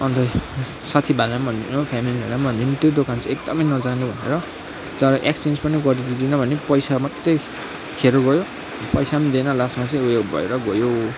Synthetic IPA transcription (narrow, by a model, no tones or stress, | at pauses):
ʌnt̪ʌ | sat̪ʰibʱalamʱʌnnopʰamilibʱanambʱʌnd̪int̪jod̪okant͡sʌ̃ek̚d̪ʌmʌjnʌd͡zanubʱʌnḛɾʌ | t̪ʌɾʌʔekst͡send͡zpʌniɡʌɾid̪id̪inʌbʱʌnepʌjsamʌt̪ːe | kʰeɾoɡʌjo | pʌjsamid̪enʌlasmat͡sʌ̃ĩujoɡbʱʌ̰ḛɾʌɡʌjo